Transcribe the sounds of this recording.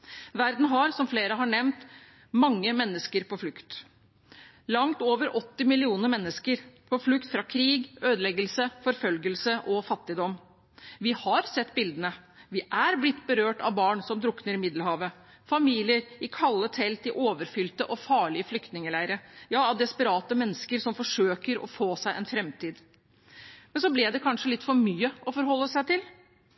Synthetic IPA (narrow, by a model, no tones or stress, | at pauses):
ʋæɾd̪n̩ɦɑɾsɔmfleːɾəɦɑɳɛmnt̪ | mɑŋːəmɛnːəskəɾpʰɔflʉkt̪ | lɑŋt̪oːʋəɾʔɔt̪ːɪmɪlɪuːnəɾmɛnːəskəɾpʰɔflʉkt̪fɾɑkʰɾiːɡøːd̪əlɛɡəlsəfɔɾfœlɡəlsəʔɔfɑt̪ːɪd̪ɔm | ʋɪhɑɾsɛt̪ːbɪld̪ənəʋɪʔæɾblɪt̪ːbəɾøːʈɑ̰ʋbɑːɳsɔmd̪ɾʊknəɾɪmɪd̪ləhɑːʋə | fɑmiːlɪəɾɪkʰɑlːət̪ʰɛlt̪ɪʔoːʋəɾfʏlt̪əʔɔfɑːɭɪəflʏkt̪nɪŋəlæɪɾəjɑːɑʋd̪ɛspəɾɑːt̪əmɛnːəskəɾsɔmfɔʂøːkəɾɔ̰foːsæɪʔɛnfɾɛmt̪iːd̪ | mɛnsɔblɪd̪ɛkʰɑnʂəlɪt̪ːfɔɾmyːəʔɔfɔɾɦɔlːəsæɪt̪ɪl